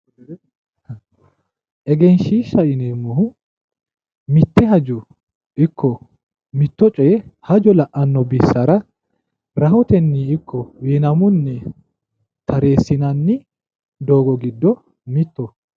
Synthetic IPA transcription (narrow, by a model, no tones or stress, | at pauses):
ʔɛɡɛnʃiːʃːɐʔɪneːmːʊhʊ | mɪt̪ːɛɦɐd͡ʒʊ | ɪkʰːɔ | mɪt̪ːɔt͡ʃʼɛhɐd͡ʒɔlɐʔɐnːɔbɪsːɐɾɐ | ɾɐhɔt̪ɛnːiːɪkʰːɔweːnɐmʊnːɛ | t̪ɐɾe̞ːsːɪnɐnːɪ | d̪oːɡɔɡɪd̪ːɔ | mɪt̪ːɔ